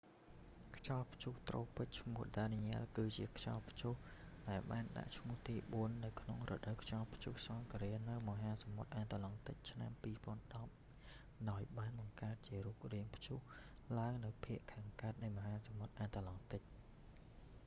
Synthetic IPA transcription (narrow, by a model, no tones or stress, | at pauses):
kʰt͡ɕɑlpʰt͡ɕuht̪roːpɨc̚t͡ɕʰmuəhɗaniɲaəlkɨːt͡ɕiəkʰt͡ɕɑlpʰt͡ɕuh | ɗaɛlɓaːnɗa̰ʔt͡ɕʰmʊ̆əht̪iːɓuənːɨwkʰnoŋrɔ̰ːɗəwkʰt͡ɕɑlpʰt͡ɕuhsɑŋkaɾiənɨwmɔɦaːsɑmot̪̚ʔaːt̪alɑŋt̪ɨc̚t͡ɕʰnampiːpŏənɗɑp̚ | ɗaɔjɓaːnɓɑŋkaət̪̚t͡ɕiəruːk̚riəŋpʰt͡ɕuh | laəŋnɨwpʰiəʔkʰaːŋkaət̪̚nɨjmɔɦaːsɑmot̪̚ʔaːt̪alɑŋt̪ɨc̚